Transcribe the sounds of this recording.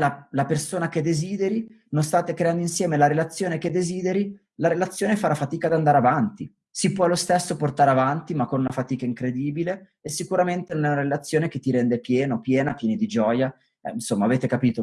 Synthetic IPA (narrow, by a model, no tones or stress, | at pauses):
lalapersoːnak̟ed̪ːeziːd̪eɾi | nonst̪aːt̪ekɾeand̪oinsjɛːmelaɾelat̪sːjoːnek̟ed̪ːeziːd̪eɾi | laɾelat̪sːjoːnefaɾafat̪iːkad̪and̪aɾeavant̪i | sipwɔlost̪esːoport̪aɾeavant̪imakːonunafat̪iːkaiŋkɾed̪iːbile | esːikuɾament̪enonɛunaɾelat̪sːjoːnek̟et̪ːiɾɛnd̪epjɛːnopjɛːnapjɛːnid̪id͡ʒɔja | ɛ̰insomːaːveːt̪ekapiːt̪o